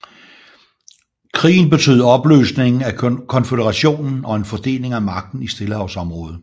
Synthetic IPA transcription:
kʰʁḭːn̩b̥e̝t͡sʰø̰ːðˠɒ̽b̥lø̰ːsne̝ŋn̩ækʰɒ̽nfedəʁɑ̈ɕo̝̰ːnn̩ʔɒ̽e̝nfɒ̽d̥e̝̰ːle̝ŋæmɑ̈ɡ̥̚d̥n̩isd̥e̝ləhɑ̈ʊsɒ̽mʁɔ̽ːð̞ˠ

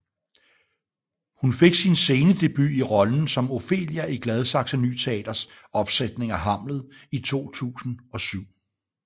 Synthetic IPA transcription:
hunfe̝ɡ̥sinse̝ːnəd̥e̝b̥y̰iʁɒ̽ln̩sɒ̽mo̝fe̝̰ːljæʔiɡ̥lɛð̞ˠsɑ̈ɡ̥sæny̰ːt͡sʰe̝ɛ̰ːd̥ɐs | ɒ̽b̥sed̥ne̝ŋæɦɑ̈m̰lð̞̩ˠit͡sʰo̝̰ːt͡sʰṵːsn̩ɒ̽syʊ̰

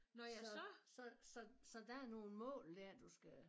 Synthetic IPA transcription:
nɒjaɒsɒ̽sɒ̽sɒ̽d̥æɐno̝ːn̩mɔ̰̽ːld̥æɐd̥usɡ̥æ

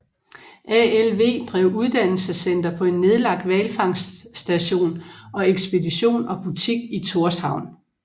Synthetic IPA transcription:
ʔæelʋe̝̰ːd̥ʁɛ̰ʊ̰uð̞ˠd̥æn̰l̩səsen̰d̥ɐpʰɒ̽e̝nːe̝ð̞ˠlɑ̈ɡ̥̚d̥ʋɛlfɑ̈ŋ̰sd̥æɕo̝̰ːnɒ̽eɡ̥sb̥e̝diɕo̝̰ːnɒ̽b̥ut͡sʰiɡ̥it͡sʰo̝ɐshɑ̈ʊ̰n

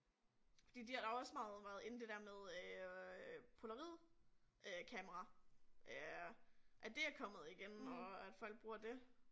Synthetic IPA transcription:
fɒd̥ḭːd̥ihɑɾ̥ɑ̈ʊɒ̽smɑ̈ːð̞̩ˠʋæɐðˠe̝n̩d̥e̝d̥æɐmeðˠø | pʰo̝lɐʁið̰ˠ | økʰɛməʁɑʔø | ʔæd̥e̝æɐkʰɒ̽mð̩ˠiɡ̥enɒ̽æd̥fɒ̽l̰ɡ̚b̥ʁuːɐd̥e̝

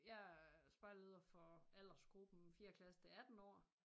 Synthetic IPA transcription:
jɑ̈sb̥ɑ̈ɪlɐuð̰ˠɐfɒæl̰ɐsɡ̥ʁub̥n̩fiːɐkʰlæst͡sʰeæd̥n̩ɒ̰ː

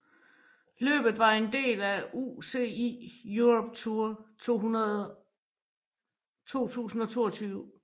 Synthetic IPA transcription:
lø̰ːb̥ð̩ˠʋɑ̈e̝nd̥e̝̰ːlæuse̝̰ḭjuʁɔb̥̚t͡sʰuɐhu | t͡sʰo̝̰ːt͡sʰṵːsn̩ɒ̽t͡sʰo̝̰ːɐt͡sʰyːʊ

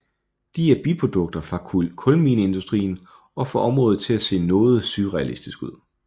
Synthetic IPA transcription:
d̥iæb̥ipʰʁod̥ɔ̽ɡ̥̚d̥ɐfʁɑ̈kʰɔ̽lmiːnəe̝nd̥usd̥ʁḭːn | ɒ̽fɒʔɒ̽mʁɔ̽ːð̩ˠt͡sʰe̝læse̝̰ːnɔ̽ːð̞̩ˠsyʁɛælisd̥isɡ̥uð̞̰ˠ

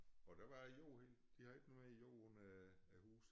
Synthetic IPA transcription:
ɒ̽d̥æʋɑ̈æjo̰ːhe | d̥ihɑ̈e̝ɡ̥nomeijo̰ːnææhuːs

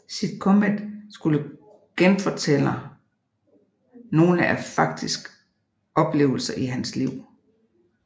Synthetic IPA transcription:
sid̥kʰɔmed̥sɡ̥ulə | ɡ̥enfɒt͡sʰel̰ə | no̝ːləʔæfɑ̈ɡ̥̚d̥isɡ̥ə | ɒ̽b̥le̝̰ːʊl̩sɐʔiɦænsliʊ̰

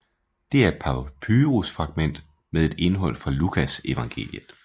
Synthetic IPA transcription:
d̥e̝æɐed̥̚pʰɑ̈pʰyːʁusfʁɑ̈ɡ̥̚men̰d̥ | meðˠe̝d̥e̝nɦɒ̽l̰fʁɑ̈lukʰæse̝ʋɑ̈ŋɡ̥e̝̰ːljəð̩ˠ

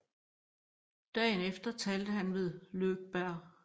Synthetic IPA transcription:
d̥ɛ̰ːnefd̥ɐt͡sʰɛːld̥əɦænʋe̝ð̞ˠløːɡ̥̚b̥æɐ̰

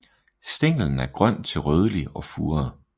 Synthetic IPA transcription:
sd̥eŋ̰ln̩æɐɡ̥ʁɶn̰t͡sʰe̝lʁœːð̞ˠəliɒ̽fuːɐ

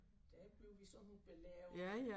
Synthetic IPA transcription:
d̥æb̥le̝ʊʋisɒ̽nub̥elɛjæjæ

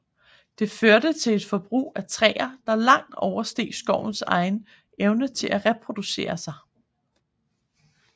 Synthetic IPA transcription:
d̥e̝føɐɾət͡sʰe̝le̝d̥fɒ̽b̥ʁṵːæt͡sʰʁɛ̰ːɐd̥ɑ̈lɑ̈ŋ̰d̥ɒʊɐsd̥e̝̰ːsɡ̥ɒʊ̰n̩sɑ̈ɪn | eʊnət͡sʰe̝lʔæʁɛpʰʁo̝d̥use̝̰ːɐsɑ̈ɪ

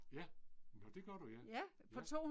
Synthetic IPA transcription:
jænɒd̥e̝ɡ̥ɶɐɾ̥ujæjæ | pʰɒ̽t͡sʰo̝̰ːhu

